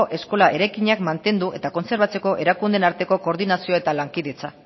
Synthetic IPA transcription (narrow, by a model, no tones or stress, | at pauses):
ʔe̞sko̞laʔe̞ɾajkiɲakmant̪e̞nd̪uʔe̞t̪ako̞nse̞ɾβ̞at͡se̞ko̞ʔe̞ɾakund̪e̞naɾt̪e̞ko̞ko̞ɾðinasioe̞t̪alaŋkiðe̞t͡sa